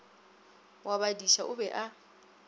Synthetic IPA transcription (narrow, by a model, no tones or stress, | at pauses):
wabadiʃaʔʊbɛʔa